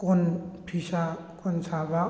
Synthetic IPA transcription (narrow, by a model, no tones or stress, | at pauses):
kɔnpʰisa | kɔnsaba